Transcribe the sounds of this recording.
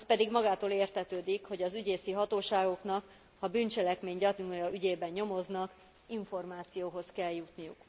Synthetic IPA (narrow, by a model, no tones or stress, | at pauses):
spɛd̪iɡmɒɡaːt̪oːleːrt̪ɛt̪øːd̪ikho̞ɟɒzyɟeːsiɦɒt̪oːʃaːɡo̞knɒk | hɒbyːnt͡ʃɛlɛkmeːɲɟɒt̪ujɒʔyɟeːbɛnɲo̞mo̞znɒk | iɱfo̞rmaːt̪sijoːɦoskɛljut̪nijṵk